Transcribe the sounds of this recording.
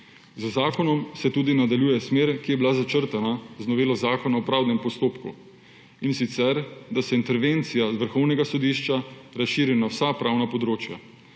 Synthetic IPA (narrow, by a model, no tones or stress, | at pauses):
zzaːkɔnɔmsɛt̪uːd̪inad̪aljuːjɛsmeːɾkijɛbilazat͡ʃəɾt̪anaznɔʋeːlɔzaːkɔnaɔpɾaːwnɛmpɔst̪oːpkṵ | insit̪sɛɾd̪asɛint̪ɛɾʋent̪sijazʋəɾxɔwnɛɡasɔd̪iʃt͡ʃaɾasʃiːɾinawsapɾawnapɔd̪ɾoːt͡ʃja